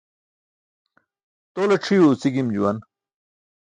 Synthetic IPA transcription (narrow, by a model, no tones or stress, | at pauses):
t̪oːlɐʈ͡ʂʰijuːsiɡimd͡ʑuwɐn